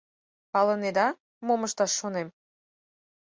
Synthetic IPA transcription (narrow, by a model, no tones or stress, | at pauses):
pɑlə̆ned̪ɑ | moməʃt̪ɑʃːonem